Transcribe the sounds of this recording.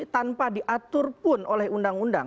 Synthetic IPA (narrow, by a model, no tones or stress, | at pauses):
t̪anpadiʔat̪ʊrpʊnolɛhundaŋunda̰